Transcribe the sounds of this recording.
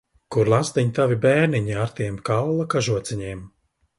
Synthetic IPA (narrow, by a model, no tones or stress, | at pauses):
kuɾlˠasd̪iɲt̪avibɛːɾniɲiaɾt̪iɛmkallˠakaʒuɔt̪siɲiɛm